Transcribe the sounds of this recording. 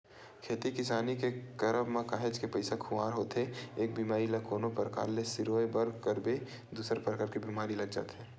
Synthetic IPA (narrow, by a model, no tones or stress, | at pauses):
kʰeːt̪ikɪsaːnikekəɾəbmãkaːɦed͡ʒkepəɪsakʰʊaːɾɦoːt̪ɦeeːk̚bimaːɾilɐkoːnopɾəka̰ːɾlesɪɾoːebɐɾkəɾbe | d̪uːsəɾpɾəkaːɾkibiːmaːɾilɐɡd͡ʒa̰ːt̪ɦɛː